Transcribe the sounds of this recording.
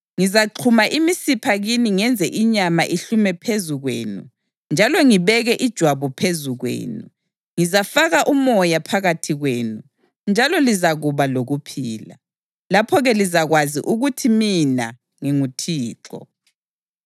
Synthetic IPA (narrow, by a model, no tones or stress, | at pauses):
ŋizaǃʰumaʔimisipʰaɣiniŋɛnd͡zʱɛʔiɲamaʔiɬumɛpʰezuɣwḛːnu | nd͡ʒʱalɔŋiβɛɣɛʔid̥ʒ̥ʱwaβɔpʰezuɣwḛːnu | ŋizafaɣaʔumɔjapʰaɣatʰiɣweːnu | nd͡ʒʱalɔlizaɣuβaloɣupʰiːla | lapʰɔɣɛlizaɣwazḭʔuɣutʰimina̰ | ŋiŋutʰiːǁɔ̰